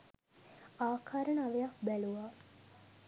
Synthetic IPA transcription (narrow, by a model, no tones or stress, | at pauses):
aːkʰaːɾənaʋejak̚bæluʋaː